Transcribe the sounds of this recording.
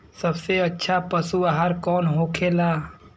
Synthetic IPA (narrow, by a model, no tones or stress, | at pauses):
səbseɐtːʃʰapəsuaɦaɾkɔːnɦoːkʰeːlaː